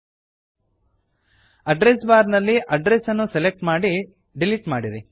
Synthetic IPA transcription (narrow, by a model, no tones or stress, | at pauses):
ɐɖɾesbaːɾnɐlːiʔɐɖɾesɐnːuselek̚ʈmaːɽi | ɖiliʈmaːɽiɾi